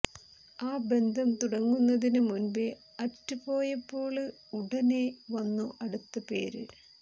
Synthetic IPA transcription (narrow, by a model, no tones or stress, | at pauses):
aːbe̞nd̪ʱɐmt̪uɽɐŋːunːɐðinɨmunbe | ɐtːupo̞ːjɐpːo̞ːɭɨ | uɽɐneʋɐnːuʔɐɽut̪ːɐpe̞̰ːɾɨ̰